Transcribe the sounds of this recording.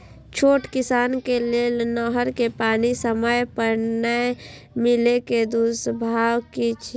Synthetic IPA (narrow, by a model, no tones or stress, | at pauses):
t͡ʃʰoːʈkɪsaːnkelelnɔɦəɾkepaːnisəməjpəɾnə | mɪleked̪usbʱaːwkit͡ʃʰ